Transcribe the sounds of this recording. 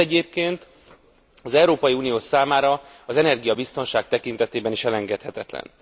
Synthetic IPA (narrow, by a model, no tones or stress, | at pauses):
ɛɟeːp̚keːnt̪ | ɒzɛuɾoːpɒjiuːnijoːsaːmaːɾɒɒzɛnɛrɡijɒbist̪o̞nʃaːk̚t̪ɛkint̪ɛt̪eːbɛniʃɛlɛŋɡɛt̪hɛt̪ɛt̪lɛ̰n